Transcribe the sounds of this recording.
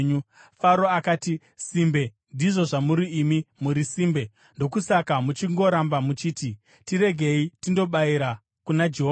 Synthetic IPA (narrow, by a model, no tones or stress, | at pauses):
ɲufaɾo̞akaːti | simbe̞ | ndiʐo̞ʐamuɾiːmimuɾisiːmbe̞ | ndo̞kusakamut͡ʃiŋɡo̞ɾambamut͡ʃiːti | tiɾe̞ɡʱe̞itindo̞ɓaiɾa | kunad͡ʒeɦo